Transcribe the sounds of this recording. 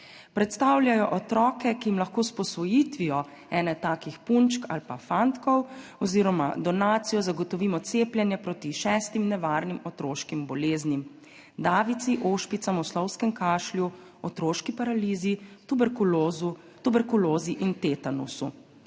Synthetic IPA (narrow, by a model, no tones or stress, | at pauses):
pɾɛt̪st̪awljajɔʔɔt̪ɾɔːkɛkijimlaxkoːspɔsʋɔjit̪ʋijɔ | ɛːnɛt̪aːkixpunt͡ʃkʰa̰lpafant̪kɔwɔziːɾɔma̰d̪ɔnaːt̪sijɔzaɡɔt̪ɔʋiːmɔt̪seːplʲjɛnjɛpɾoːt̪iʃɛːst̪imnɛʋaːɾnimɔt̪ɾoːʃkimbɔleːznim | d̪aːʋit̪siʔoːʃpit̪samɔslɔwskɛmkaːʃlju | ɔt̪ɾoːʃkipaɾaliːzit̪ubɛɾkuz | t̪ubɛɾkuloːziʔint̪et̪anṵsṵ